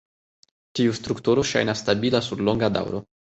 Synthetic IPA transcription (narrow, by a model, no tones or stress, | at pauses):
tiust̪ɾukt̪uɾoʃa̰jnast̪abilasuɾloŋɡad̪a̰wɾo̰